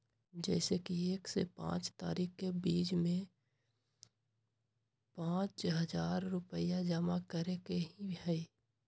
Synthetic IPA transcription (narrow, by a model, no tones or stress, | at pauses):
d͡ʒɛːsekieːksḛpã̰ːt͡ʃt̪a̰ːɾiːxkebiːt͡ʃmẽ | pãːt͡ʃɦəzaːɾːʊpəjad͡ʒəmakəɾekeɦĩhɛe